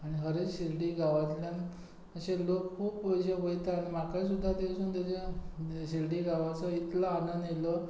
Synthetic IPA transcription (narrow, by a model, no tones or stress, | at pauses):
aɽ̃iɦəɾet͡sɕilɖiːɡʱaʋat̪ljãn | əɕelokkʰuːpːəɕeʋəjt̪aañimakajsud̪ʱːad̪eʋsuːnt̪at͡ɕeɕilɖiɡaʋat͡sɔit̪laːnənd̪jelo